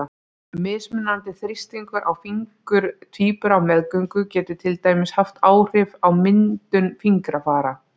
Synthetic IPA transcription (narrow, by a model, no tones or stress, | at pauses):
mɪðsmɪnːant̪ɪθɾɪst̪iŋkʏɾʔawfiŋkʏɾ̥t̪ʰviːpʏɾawmɛðkœŋkʏcɛːt̪ʏ̥t̪ʰɪlt̪aːjmɪshaft̪aːwr̥ɪvawmɪnt̪ʏnfiŋkɾafaːɾa